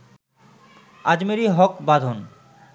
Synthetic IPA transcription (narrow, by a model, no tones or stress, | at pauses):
ad͡ʑmeɾiɦɔkbad̪ʱon